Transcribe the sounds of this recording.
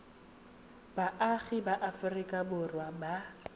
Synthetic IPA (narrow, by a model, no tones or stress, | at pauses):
baʔaɣɪbaʔafʊrɪkʼabʊrwaba